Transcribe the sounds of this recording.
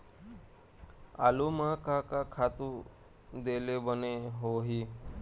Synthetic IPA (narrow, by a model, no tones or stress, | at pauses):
a̰lumakakakʰat̪u | d̪elebəneɦoɦiː